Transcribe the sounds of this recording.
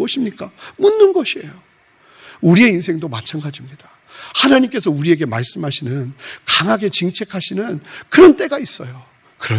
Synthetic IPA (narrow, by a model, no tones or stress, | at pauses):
ʌɕʰimɲik͈amunːɯnɡʌɕʰie̞jo | uɾie̞ins̬ʰe̞ŋdomat͡ɕʰanɡad͡ʑimɲid̥ḁ | hanaɲimk͈e̞sʰʌuɾie̞ɡe̞maɭs͈ɯmɦaɕʰinɯnkaŋɦaɡe̞t͡ɕiŋt͡ɕʰe̞kʰaɕʰinɯnkɯɾʌnt͈ʼe̞ɡais͈ʌjo | kɯɾʌ